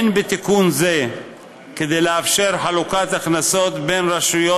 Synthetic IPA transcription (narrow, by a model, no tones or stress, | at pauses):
nbet̪ikunze̞ | ked̪e̞jleafʃe̞ʁħalukat̪aχnaso̞t̪be̞nʁaʃujo